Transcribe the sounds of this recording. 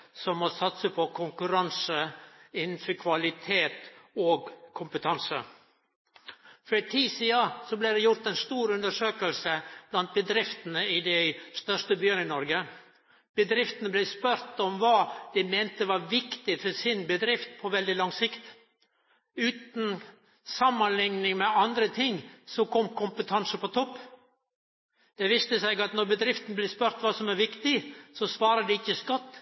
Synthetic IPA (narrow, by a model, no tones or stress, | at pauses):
sɔmmɔsɑt̪səpʰɔkʰʊŋkʉɾɑnsəɪnn̩fɔɾkʰʋɑlɪt̪ʰeːt̪oːɡkʰʊmpət̪ʰɑnsə̰ | fɔɾɪt̪ʰiːsiːəsɔblæɪd̪ɛjʊɾt̪ɛnst̪uːɾʉnd̪əʂøːkəlsəb̥lɑnt̪̚bəd̪ɾɪft̪ənəɪd̪ɛɪst̪œʂʈəbjøːnənɔɾɡə | b̥əd̪ɾɪft̪ənəblɛspœɾt̪ɔmʋɑːd̪̥ɛmɛɪnt̪əʋɑɾʋɪkt̪ɪfɔsɪnbəd̪ɾɪft̪̚pʰɔʋɛld̪ɪlɑŋsɪkt̪ | ʉːt̪n̩ | sɑmːənlɪŋnɪŋmɛɑnd̪ɾət̪ʰɪŋsɔkʰɔmkʰʊmpət̪ʰɑnsəpɔt̪ʰɔpː | d̪̥ɛʋist̪əsɛɪɡɑt̪nɔɾbəd̪ɾɪft̪n̩blɪspœɾt̪ʋɑːsɔmæɾʋɪkt̪ɪsɔsʋɑːɾəd̪ɛɪçːəskɔt̪ː